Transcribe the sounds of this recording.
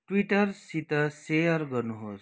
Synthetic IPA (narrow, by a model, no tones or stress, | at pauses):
ʈwiʈəɾsit̪əsejəɾɡʌɾnuɦos